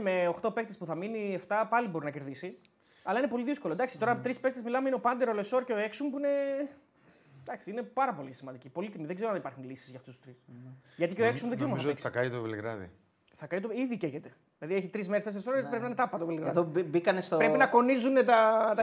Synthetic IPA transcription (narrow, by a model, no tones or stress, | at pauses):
me̞oxt̪o̞pe̞k̚t̪e̞spuθɐminieft̪ɐpɐlibo̞ɾinɐce̞ɾðisi | ɐlɐinepo̞liðisko̞lond̪ɐksit̪o̞ɾɐt̪ɾispekt̪ezmilɐmeineopɐnd̪eɾoleso̞ɾce̞o̞e̞ksumpuine̞ | d̪ɐksiine̞pɐɾɐpo̞lisimɐnd̪icipo̞lit̪imiðe̞ɡze̞ɾoɐnipɐɾxunlisi̥zʝɐft̪ust̪u̥st̪ɾisʝɐt̪ikceo̞eksumðeɡzeomɐθɐisɐkɐit̪ovilɣɾɐ̰ðḭ | θɐkɐit̪oiðiceçet̪e | ðlɐðie̞çit̪ɾizme̞ɾest̪es̬eɾisoɾɐt̪ipɾepinint̪ɐpːɐt̪ovilɣɾɐððobikɐnest̪opɾepinɐko̞nizunet̪ɐt̪ɐ